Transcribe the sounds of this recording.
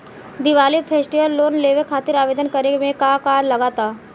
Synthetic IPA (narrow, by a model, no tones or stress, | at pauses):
d̪iʋaːliːt̪pʰesʈiʋəlːoːnleʋekʰaːt̪iɾaːʋeːd̪ənkəɾemẽkakaːɾlɐɡaːt̪aː